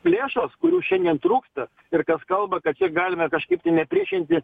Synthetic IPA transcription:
lʲeːʃoskʊɾʲuːʃʲɛnʲd̪ʲiɛnt̪ɾuːkst̪ɐ | ɪrkɐskɐlˠbɐkɐt̪t͡ʃʲɛɡɑːlʲɪmɐkɐʃkɐɪpt̪ɐɪnʲɛpʲɾʲiɛʃʲɪnʲt̪ʲɪ

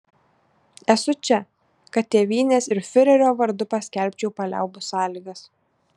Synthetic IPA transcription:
ɛsʊt͡ʃʲɛ | kɐt̪̚t̪ʲeːʋʲiːnʲeːsɪɾfʲɪɾʲɛɾʲoːʋɐɾd̪ʊpɐsʲkʲɛˑlʲpʲt͡ʃʲɛʊpɐlʲæ̰ˑʊbʊsɑːlʲiɡɐs

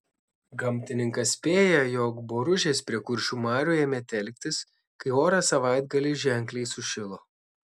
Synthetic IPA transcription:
ɡɐmʲt̪ʲɪnʲɪŋkɐsʲpʲeːjɛjɔkboːɾʊʒʲeːspʲɾʲiɛkʊɾʲʃʲuːmɑːɾʲuːjeːmʲɛt̪ʲɛlʲk̚ʲt̪ʲɪs | kɐɪoːɾɑːsɐʋɐɪd̪ɡɐlʲɪʒʲɛŋʲklʲɛɪsʊʃʲɪlˠoː

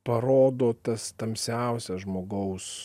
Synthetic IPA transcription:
pɐɾoːd̪oːt̪ɐst̪ɐmʲsʲɛˑʊsʲɛsʒmoːɡɐʊs

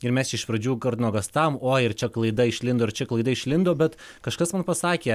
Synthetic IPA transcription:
ɪɾmʲɛst͡ʃʲɛɪʃpɾɐd͡ʒʲuːkɐɾʲnoːɡɐst̪ɑːʋomoːɪɾt͡ʃʲɛklˠɐɪd̪ɐɪʃʲlʲɪnd̪oːɪɾt͡ʃʲɛklˠɐɪd̪ɐɪʃʲlʲɪnd̪oːbʲɛt̪ | kɐʃkɐsmɐnpɐsɑːkʲeː

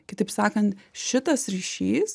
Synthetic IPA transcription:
kʲɪt̪ɐɪpsɑːkɐnt̪ʃʲɪt̪ɐsɾʲiːʃʲiːs

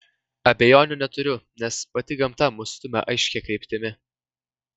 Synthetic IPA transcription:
ɐbʲɛjoːnʲʊnʲɛt̪ʊɾʲʊnʲɛspɐt̪ʲɪɡɐmt̪ɐmʊsʲt̪ʊmʲɛ̰ʔɐɪʃʲkʲɛkɾʲɛɪpʲt̪ʲɪmʲɪ

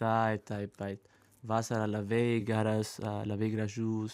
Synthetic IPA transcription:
ajt̪ajpajt̪ | vasaɾalavejɡaɾasalavejɡɾaʒus

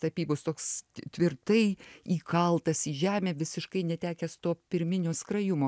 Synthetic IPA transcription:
t̪ɐpʲiːbost̪oːkst̪ʲʋʲɪrt̪ɐɪiːkɐlˠt̪ɐsiːʒʲæːmʲeːʋʲɪsʲɪʃkɐɪnʲɛt̪ʲæːkʲɛst̪oːpʲɪɾʲmʲɪnʲoːskrɐjʊmoː

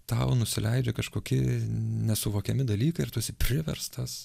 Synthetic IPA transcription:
t̪ɐʊnʊsʲɪlʲɛɪd͡ʒʲɛkɐʃkoːkʲɪnʲɛsʊʋoːkʲɛmʲɪd̪ɐlʲiːkɐɪɪrt̪uɔsʲɪpʲɾʲɪʋʲɛ̰rst̪ɐs

